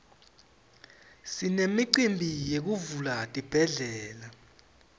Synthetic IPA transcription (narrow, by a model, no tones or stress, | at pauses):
sinemiǃimbʱijek̬uvulatʼib̥ʱɛɮɛːla